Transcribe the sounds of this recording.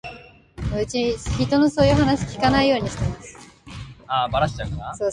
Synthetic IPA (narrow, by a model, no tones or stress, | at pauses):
mɯ̟t͡ɕiçit̪o̞no̞so̞ːjɯ̟ɦanaɕi̥kʲi̥kanaijo̞ːɲ̟iɕi̥t̪e̞masɨ̥ | abaɾaɕi̥t͡ɕaɯkanaso̞ː